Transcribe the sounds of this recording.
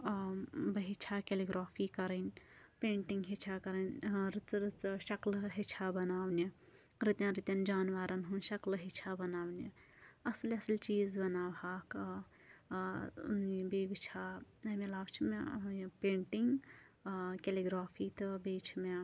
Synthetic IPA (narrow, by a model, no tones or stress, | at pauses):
bɐɦit͡ʃʰakeliɡɾaːpʰikɐɾənpeːɳʈiŋɡɦit͡ʃʰakɐɾɐnɾɨt͡sɾɨt͡sʃɐklɦit͡ʃʰabɐnaːwni | ɾit̪jãnɾit̪jɐnd͡ʒaːnʋaːɾɐnɦunʃɐklɦit͡ʃʰabɐnaːwni | ɐslɐslt͡ʃiːzbɐnaːbaːk | nibebit͡ʃʰaɐmelaːbt͡ʃʰimepẽːɳʈiŋɡ | keliɡɾaːpʰit̪ɨbeːt͡ʃʰime